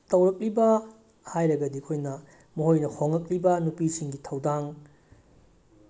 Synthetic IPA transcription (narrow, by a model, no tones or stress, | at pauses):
tɐwɾɐk̚libɐ | hajɾɐɡɐdikʰojnɐ | mɐɦojnɐhoŋɐk̚libɐnupisiŋɡitʰɐwdaŋ